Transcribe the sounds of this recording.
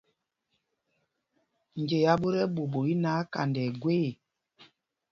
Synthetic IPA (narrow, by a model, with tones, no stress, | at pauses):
ɲ˨d͡ʒe˨ja˦ɓo˦ɾɛ˦ɓo˨ɓo˨i˦naː˨˦ka̰˨ndɛ˨ɡwe˦˨